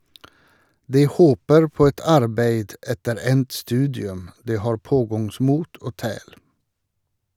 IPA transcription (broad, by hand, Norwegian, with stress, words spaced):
ˈdiː ˈhoːpəɾ ˈpoː ˈɛt ˈɑɾbeɪd ˈɛtəɾ ˈɛnt ˈstʉːdɪʉm ˈdiː ˈhɑːɹ ˈpoːɡɑŋˌsmuːt ˈoː ˈtæːɽ